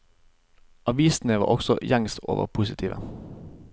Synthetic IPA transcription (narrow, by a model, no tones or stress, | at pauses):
ʔɑʋiːsn̩əʋɑ̰ːʔɔɡ̥sɔ̰jɑŋst̪o̰ːʋə̰pʰuːsɪt̪ʰiːʋə̰